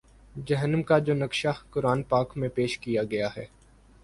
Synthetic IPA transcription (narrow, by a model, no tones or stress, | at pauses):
d͡ʒɐɦənəmkad͡ʒoːnɐkʃakʊɾaːnpaːkmẽpeːʃkijaɡɐjaɦɛː